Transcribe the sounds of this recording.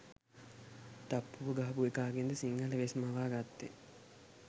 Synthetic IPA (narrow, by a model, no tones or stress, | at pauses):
t̪apːuʋəɡaɦɐbuekaːɡend̪əsiŋɡaləʋesmaʋaːɡat̪ːe